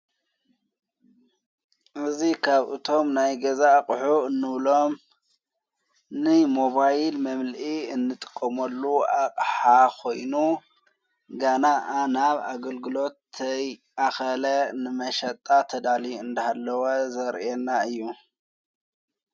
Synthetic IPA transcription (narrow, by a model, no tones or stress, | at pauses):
ʔɨzikʰaβʔɨ̰t̪ʰo̞mnajɡɐzakʼħuɨnːɨβlo̞m | nɨmo̞βajlmɐmlʔiɨnːɨt̪ʼɨ̥kʼːɐmɐlːuaqʼħakʰo̞jnu | ɡanaʔanaβa̰ɡɐlɡɨlo̞t̪ːɐjʔaxɐlɐnɨmɐʃɐt̪ʼːat̪ʰɐd̪aliɨnd̪ɐhalːɐwɐzɐɾɛnːaɨjːu